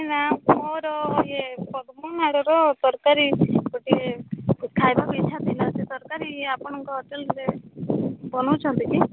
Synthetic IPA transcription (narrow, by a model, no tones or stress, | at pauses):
namɔɾɔjepɔd̪mɔnaɽɔɾɔt̪ɔɾkaɾiɡɔʈiekʰajbakɔit͡ʃʰat̪ilaset̪ɔɾkaɾiapɔɽ̃ɔŋkɔɦɔʈelɾe | bɔnɔwt͡ʃʰɔnt̪iki